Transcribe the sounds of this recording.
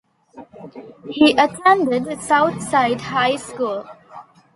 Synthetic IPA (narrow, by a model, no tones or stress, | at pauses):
hiːʔətʰɛ̃nɖɪɖsaʊt̪ʰsaɪɖɦaɪskuːl